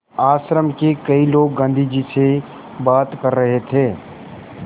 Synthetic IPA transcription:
aːsɾəmkekəiloːɡːə̃nd̪ʱid͡ʒise | baːt̪kəɾːəɦet̪ʰeː

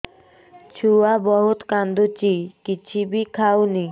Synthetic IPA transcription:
t͡ɕʰuabɔɦot̪kand̪ot͡ɕikit͡ɕʰibikʰawni

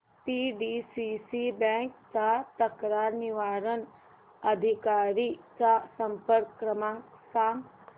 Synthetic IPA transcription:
piɖisisibɛŋkt͡ʃat̪ɐkɾaːɾniʋaːɾən | ɐd̪ʱikaːɾit͡ʃasɐ̃mpəɾkɾəmãŋ | saːŋ

